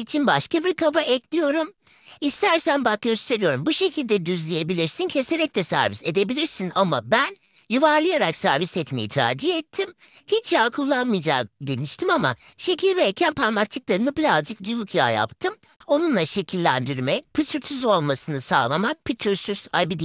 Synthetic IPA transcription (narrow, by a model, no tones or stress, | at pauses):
it͡ʃʰinbaʃkabiɾkʰabaʔɛclʲijo̞ɾum | ist̪ʰæɾsænbak̚ɟø̞st̪ʰe̞ɾijo̞ɾumbuʃe̞cʰilʲd̪ɛd̪yzlʲije̞bilʲiɾsincʰe̞se̞ɾɛc̚t̪ɛsæ̰ɾvise̞d̪e̞bilʲiɾsinamabæn | juvaɾlˠɯjaɾaksæɾvisɛt̪me̞̰jit̪ʰa̰ːd͡ʒihɛt̪ʰːim | hit͡ʃjaːkʰulˠːanmɯjd͡ʒa̰ːmd̪eniʃt̪ʰimama̰ʃe̞cʰilʲbɛːcʰænpʰaɾmak̚t͡ʃʰɯklˠaɾɯmɯbilʲazd͡ʒɯk̚d̪yjukʰja̰ːja̰pt̪ʰɯm | o̞nunlˠaʃe̞cʰilʲːænd̪iɾmɛpʰɯsɯɾt̪ʰyzo̞lˠmasɯnɯsa̰ːlˠamak̚pʰit̪ʰyɾsysajbid̪i